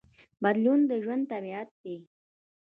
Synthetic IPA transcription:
bad̪lund̪əʒwand̪̚t̪abiat̪̚d̪e

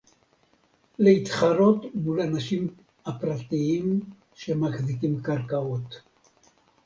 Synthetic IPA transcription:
leit̪χaɾo̞t̪mulanaʃim | apɾat̪iim | ʃemaχzikimkaɾkaot̪

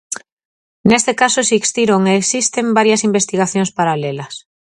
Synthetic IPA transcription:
nest̪ekasosikst̪iɾoŋeːksist̪embaɾjɐsimbest̪iɣaθjoŋspaɾalelɐs

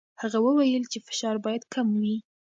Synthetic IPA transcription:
haɣawəwajəlt͡ʃefɪ̥ʃɑɾbɑjad̪kamwi

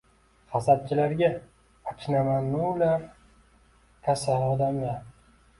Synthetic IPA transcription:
χasad̪̚t͡ʃʰɪlaɾɡʲa | akʰʲnamanːulaɾ | k̪ʰasalɒd̪amla

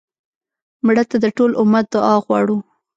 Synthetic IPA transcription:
mɽət̪ad̪əʈolʔʊmat̪̚d̪ʊɑɣwɑ̰ɽu

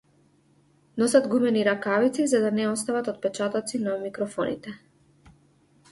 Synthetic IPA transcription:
nɔsad̪ɡumɛniɾakavit̪sizad̪anɛɔst̪avat̪ɔt̪̚pɛt͡ʃat̪ɔt̪sinamikɾɔfɔnḭt̪ɛ

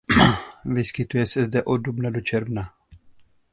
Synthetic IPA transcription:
vɪskɪt̪ujɛsɛzdɛʔod̚dubnado̞t͡ʃɛɾvna

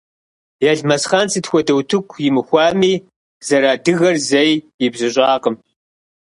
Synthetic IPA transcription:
jɛɮmɐsχaːnt͡sʰɨtxʷɔdɐwtʰɨkʷʰjɪmɨxʷɑːmiː | z̥ɐɾaːdɨɣɐrzɐjjɪbzɨɕʷʼɑːqəm

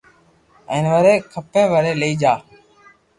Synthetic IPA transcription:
ə̃ːnʋəɾeːkʰəpẽːʋəɾeːləiːd͡ʒaː

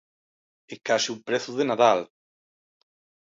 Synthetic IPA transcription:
ekasiupɾeθuðenaðal

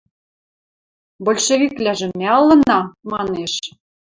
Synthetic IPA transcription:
bolʲʃeβʲiklæʒĕmːæɤlːɤ̆nɑmɑneʃ

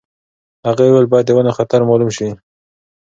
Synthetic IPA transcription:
haɣewelbɑjad̪ːəwanaxat̪aɾmɑlumʃi

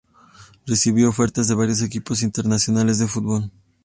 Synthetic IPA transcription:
re̞siβjoofe̞ɾt̪azðe̞βaɾjo̞s̬ekipo̞sint̪e̞ɾnasjo̞nale̞zðefut̪̚bo̞l

